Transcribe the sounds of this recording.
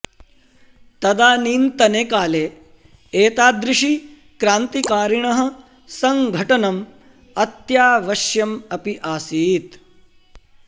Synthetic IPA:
t̪ɐd̪aːniːnt̪ɐneːkaːleː | eːt̪aːd̪ɾɪʂi | kɾaːnt̪ikaːɾiɳɐɦɐ̆ | sɐŋɡʱɐʈɐnɐm | ɐt̪jaːʋɐʃjɐmɐpiʔaːsiːt̪

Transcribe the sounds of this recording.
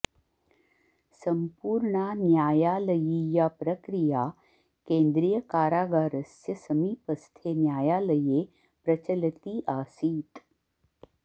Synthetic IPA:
səmpuːɾɳanjaːjaːləjijapɾəkɾija | kẽnd̪ɾijəkaːɾaːɡaːɾəsjɐsəmiːpəst̪ʰenjaːjaːləje | pɾət͡ɕəlt̪iːʔaːsiːt̪

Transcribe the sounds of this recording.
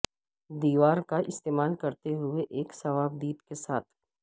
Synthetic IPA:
d̪iːʋaːɾkaɪst̪eːmaːlkɐɾt̪eɦʊeʔeːksɐʋaːb̚d̪iːp̪kesaːt̪ʰ

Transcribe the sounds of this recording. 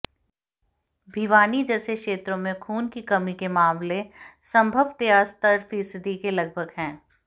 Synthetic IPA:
bʱiʋaːnid͡ʒɛːsekʃeːt̪ɾõmẽkʰuːnkikɐmikemaːmlesɐ̃mbʱəʋt̪ejast̪əɾfiːsɪd̪ikelɐɡ̚bʱəɡɦɛ̃ː

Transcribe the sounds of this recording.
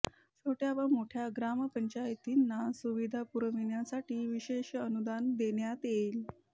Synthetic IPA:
soʈjaʋamoʈʰjaɡɾaməpəɲt͡ɕajt̪inːasuʋid̪ʱapuɾəʋiɳjasaʈʰiːʋiɕeɕənud̪and̪eɳjat̪jel

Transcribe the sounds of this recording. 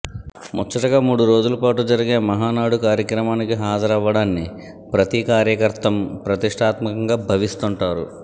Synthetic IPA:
mɔt͡ʃːɐʈɐɡaːmuːɽuɾo̞ːd͡ʒulɐpaːʈud͡ʒɐɾiɡe̞ːmɐɦaːnaːɽukaːɾjɐkɾɐmaːnikiɦaːd͡ʒɐɾɐʋːɐɽaːnːi | pɾɐt̪ikaːɾjɐkɐɾt̪ɐmpɾɐt̪iʂʈʰaːt̪mɐkɐŋɡaːbʱɐʋist̪uɳʈaːɾṵ

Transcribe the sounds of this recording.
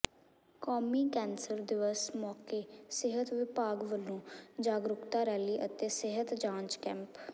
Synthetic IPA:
kɔːmiːkɛːnsəɾd̪ɪʋəsmɔːkeːsɪɦət̪ʋɪpaːɡʋəlːõːd͡ʒaːɡɾʊkt̪aːɾɛːliːʔət̪eːsɪɦət̪d͡ʒãːɲt͡ʃkɛ̃ːmp

